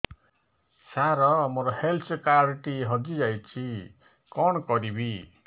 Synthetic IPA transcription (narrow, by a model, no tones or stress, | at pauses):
saɾɔmoɾɔhelt͡ʃkaɾʈiɦɔd͡ʒid͡ʒajt͡ʃʰi | kɔnkɔɾibi